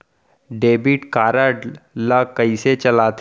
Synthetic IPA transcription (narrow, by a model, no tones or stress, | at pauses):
ɖeːbiʈkaːɾaɖlakəiset͡ʃɐlaːt̪